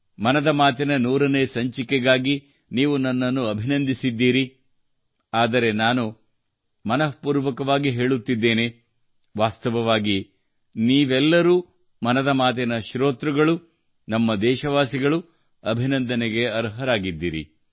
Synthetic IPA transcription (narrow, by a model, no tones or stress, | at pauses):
mɐnɐd̪ɐmaːt̪ɛnɐnuːɾɐneːsɐɲt͡ʃikɛɡaːɡi | niːʋunɐnːɐnːuɐbʱinɐnd̪ʱisid̪ːiːɾi | aːd̪ɐɾe̞naːnu | mɐnɐpuːɾʋɐkɐʋaːɡiɦe̞ːɭut̪ːid̪ːe̞ːne | ʋaːst̪ɐʋɐʋaːɡi | niːʋɛlːɐɾuː | mɐnɐd̪ɐmaːt̪̬ɛnɐʃɾoːt̪ɾuɡɐɭu | nɐmːɐd̪ɛːʃɐʋaːsiɡɐɭu | ɐbʱinɐnd̪ɐnɛɡe̞ɐɾɦɐɾaːɡid̪ːiːɾḭ